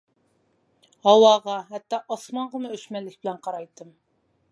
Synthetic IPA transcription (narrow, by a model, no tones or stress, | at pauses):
hɑwɑːʁɑɦɛt̪ːɑʔɑsmɑɴʁəmʊøʃmɛlːɪkʲbɪlɛnqʰɑɾɑjt̪ːɨm